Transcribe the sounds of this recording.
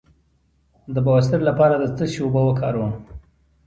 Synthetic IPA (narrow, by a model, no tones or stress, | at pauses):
d̪əbawas̬t̪əɾlapɑɾad̪ət͡səʃobəwəkʰɑɾwəm